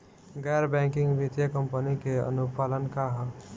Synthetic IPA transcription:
ɡɛɾbɛ̃ːŋkɪ̃ŋɡbɪt̪jəkəmpənikeə̰nupaːlənkaɦə

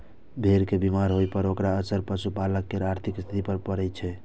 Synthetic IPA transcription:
bʱeɾkebimaɾɦojpəɾokɾaəsəɾpəsupaləkːeɾaɾt̪ʰikst̪ʰit̪ipəɾpəɾɛjt͡ʃʰɛ

